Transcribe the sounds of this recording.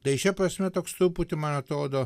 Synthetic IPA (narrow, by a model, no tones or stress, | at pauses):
t̪ɐɪʃʲɛpɾɐsʲmʲɛt̪oːkst̪uːput̪ʲɪmɐnɐt̪ɾoːd̪oː